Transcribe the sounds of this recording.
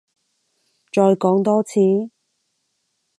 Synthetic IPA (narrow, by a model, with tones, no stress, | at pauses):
t͡ʃɔː˧jkɔː˨˥ŋt̪ɔː˥t͡sʰiː˨˥